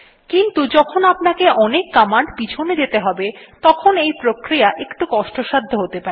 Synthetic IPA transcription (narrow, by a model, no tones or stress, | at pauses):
kint̪ud͡ʑɔkʰonapnakeʔɔnekːamaɳɖbit͡ɕʰoned͡ʑet̪eɦɔbet̪ɔkʰonejpɾokɾijaʔekʈukɔʃʈoʃad̪ʱːoɦot̪epaɾe